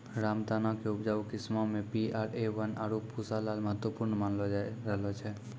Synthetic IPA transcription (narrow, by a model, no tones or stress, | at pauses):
ɾamt̪anãkeʊpd͡ʒaʋkɪsmomẽpiaːɾeʋənaɾupusalalməɦət̪ʋəpʊɾɳmanlod͡ʒaɾəɦlot͡ʃʰe